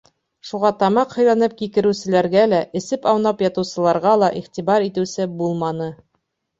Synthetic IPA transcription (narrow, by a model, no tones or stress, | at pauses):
ʃuʁɑt̪ɑmɑqhɤ̆jlˠɑnɤp̚kikɘ̆ɾɘ̆wsɘ̆læɾɡælæʔɘ̆sɘpɑwnɑpjɑt̪ɤ̆wsɤ̆lˠɑɾʁɑlˠɑʔiχt̪iβɑɾit̪ɘ̆wsɘbulˠmɑnɤ